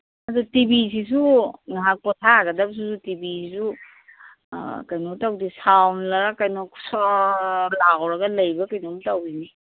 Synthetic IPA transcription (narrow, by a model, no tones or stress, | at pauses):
ɐdutibisis̬uŋaɦak̚pɔtʰaɡɐdɐbs̬usutibisisu | kajnɔtawdisawnlɐɾakajnɔkʰsɔlaɡɔwɾɐɡɐlɐjbɐkajnɔmtawini